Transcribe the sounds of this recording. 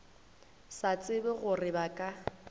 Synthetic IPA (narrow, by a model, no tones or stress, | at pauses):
sat͡sʼɪbɪɣʊrɪbakʼa